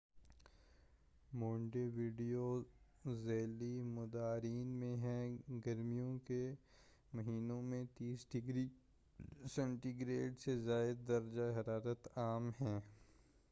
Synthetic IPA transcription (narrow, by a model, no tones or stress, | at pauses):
moːɳɖeʋiːɖijo | zɛːlimʊd̪aːɾiːnmẽɦɛ̃ɡɐɾmijõke | mɐɦiːnõmẽt̪iːsɖɪɡɾi | sɛ̃ɳʈiɡɾeːɖsezaːɪd̪̚ːɐɾd͡ʒaɦɐɾaːɾət̪aːmɦɛ̃ː